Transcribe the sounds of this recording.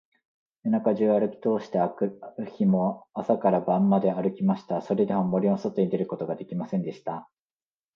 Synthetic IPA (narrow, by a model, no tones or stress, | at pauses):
enakaʑɨːaɾɯ̟kʲi̥t̪o̞ːɕi̥t̪eɯçimo̞asakaɾabãmːad̪e̞aɾɯ̟kʲimaɕi̥t̪aso̞ɾe̞d̪e̞momo̞ɾʲionsot̪ːeɲid̪e̞ɾɯ̟ko̞t̪o̞ɡad̪e̞kʲimasẽ̞nd̪e̞ɕi̥t̪a